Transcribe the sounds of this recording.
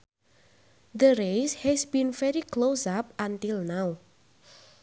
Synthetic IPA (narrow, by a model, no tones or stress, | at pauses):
ðəɾejshɛsbĩnfɛɾiklosap̚ʔant̪ilˠnaw